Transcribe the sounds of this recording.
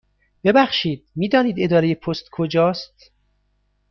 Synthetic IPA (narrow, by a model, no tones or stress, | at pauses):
b̥e̞bæxʃiːd̪̥̚miːd̪ɒːniːd̪e̞d̪ɒːɾe̞jepʰost̪kʰod͡ʒɒːst̪